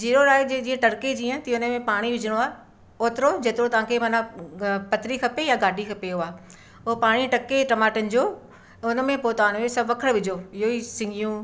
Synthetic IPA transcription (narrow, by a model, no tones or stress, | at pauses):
ziːɾoɾaːɪd͡ʑed͡ʑĩːə̃ʈɐɽked͡ʑiːə̃t̪iʊnəmẽpaːɽ̃iʋɪd͡ʑʱɪɽ̃oaː | oːt̪ɪɾod͡ʑeːt̪ɪɾot̪ɐʋ̤ãkʰemɐnapɐt̪ɾikɐpejaɡaːɖʱikʰɐpeɦʊaː | ʊɦopaːɽ̃iʈɐkeʈɐmaːʈənɪ̆d͡ʑoː | ʊnə̆mẽpoːt̪aːnosɐbʋɐkʰəɽʋɪd͡ʑʱoɪɦoisɪ̃ŋɡʱijũ